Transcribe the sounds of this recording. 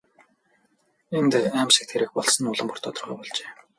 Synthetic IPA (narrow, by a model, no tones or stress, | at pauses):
ent̪eæːmsĭk̚t̪ʰeɾɘ̆k̚pɔɮsɞ̆nʊɮə̆mpʊ̥r̥t̪ʰɔt̪ɞ̆rʁœ̰ːpɔɮt͡ɕeː